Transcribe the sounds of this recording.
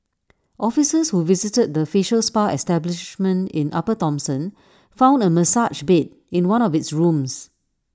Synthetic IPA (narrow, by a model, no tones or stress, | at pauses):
ʔɔfisəshuvizitəd̚dəfiʃəlspaʔɛstɛblɪʃmə̃ntɪ̰̃nʔa̰pətɔ̃msə̃n | fãʊ̃ndəməsad͡ʒbet̚ | ɪ̃nwãnɔvɪtsɹũms